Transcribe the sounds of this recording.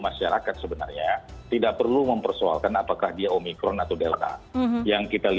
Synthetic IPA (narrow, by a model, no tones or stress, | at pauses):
maʃaɾakat̪̚səbəna̰rɲat̪idaʔ̚pərluməmpərsoa̰lkanapakahdiaomikɾɔnat̪awdɛlt̪a̰jaŋkit̪ali